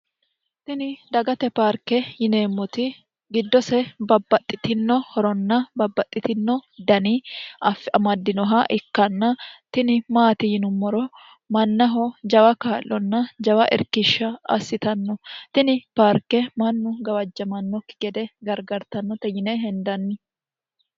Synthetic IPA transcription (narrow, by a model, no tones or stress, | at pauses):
t̪ɪnɪd̪ɐɡɐt̪ɛpaːɾkɛjɪneːmːɔt̪ɪ | ɡɪd̪ːɔsɛbɐbːɐt̪ʼːɪt̪ɪnːɔhɔɾɔnːɐbɐbːɐt̪ʼːɪt̪ɪnːɔd̪ɐniɐfːɪʔɐmɐd̪ːɪnɔɦɐʔɪkːɐnːɐt̪ɪnɪmaːt̪ɪjɪnʊmːɔɾɔ | mɐnːɐɦɔd͡ʒɐwɐkaːlːɔnːɐd͡ʒɐwɐʔɛ̰ɾkɪʃːɐɐ̰sːɪt̪ɐnːɔt̪ɪnɪpaːɾkːɛmɐnːʊɡɐwɐd͡ʒːɐmɐnːɔkːɪ̥ɡ̥ɛd̪ɛɡɐɾɡɐɾt̪ɐnːɔt̪ɛjɪneɦɛnd̪ɐnːɪ